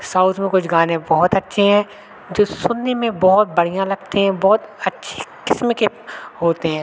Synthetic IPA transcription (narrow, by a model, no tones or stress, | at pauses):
saːʊt̪ʰmẽkʊt͡ʃʰɡaːnẽbɔɦʊt̪ɐtːʃʰeɦɛ̃ː | d͡ʒoːsʊnːemẽbɔɦʊt̪̚bɐɽ̤ijãlɐɡt̪eɦɛ̃bɔːt̪ɐtːʃʰe̥kɪsmke | ɦoːt̪eɦɛ̃ː